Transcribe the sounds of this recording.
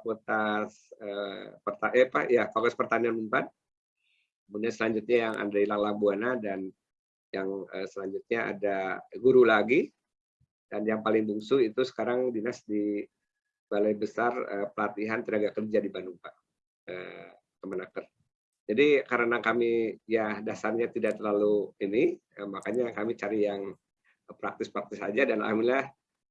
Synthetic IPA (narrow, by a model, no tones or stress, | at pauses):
pot̪asəpərt̪aʔəpa̰japaɡɔspərt̪anianmumpan | əmunɲasəlaɲd͡ʒʊt̪̚ɲajaŋa̰dailaŋlambuanadan | jaŋəsəlaɲd͡ʒut̪̚ɲaa̰daɡuɾulaɡi | danjaŋpalɪŋbuŋsuit̪usə̥kaɾaŋdinasdi | b̥alajbəsarə̰pəlat̪iɦant̪əɾaɡakərd͡ʒadibanuŋpaʔ | ə̰ | k̪əmənakər | d͡ʒadikaɾənakamijahdasarɲat̪idaʔt̪ərlaluiniəmakaɲakamit͡ʃaɾijaŋ | pɾak̚t̪ɪspɾak̚t̪ɪsad͡ʒadana̰milah